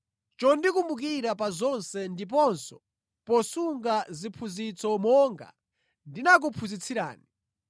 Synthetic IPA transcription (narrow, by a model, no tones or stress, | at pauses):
t͡ʃɔndikumbuk̬iɾapazɔnsɛndip̬ɔnsɔ̥ | pɔsuŋɡazipʰuzit͡sɔmɔŋɡa̰ | ndinak̬upʰuzit͡sʰiɾa̰ːni